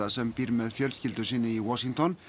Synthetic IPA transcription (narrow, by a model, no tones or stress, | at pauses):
ɑsɛmbiːɾmeːðfjœlskɪld̪əsiːnəiːwɔʃɪŋt̪ʰɔn